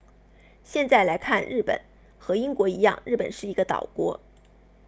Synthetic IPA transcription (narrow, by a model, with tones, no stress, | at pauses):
ɕjɛ˥˧nt͡sa˥˩ɪla˧˥ɪkʰa˥˧nɻɻ̩˥˩pə̰˨˩˦n | xɤ˧˥i˥ŋkwɔ˧˥i˧˥jɑ˥˧ŋɻ̩˥˩pə˨˩nʂɻ̩˥˩i˧˥ɡə˧t̪ɑ̰˨˩ʊkwɔ˧˥